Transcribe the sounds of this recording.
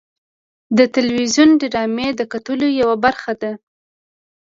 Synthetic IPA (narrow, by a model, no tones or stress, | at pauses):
d̪ət̪ɪlwizjunɖɪɾɑmed̪əkat̪əlojawabaɾxad̪a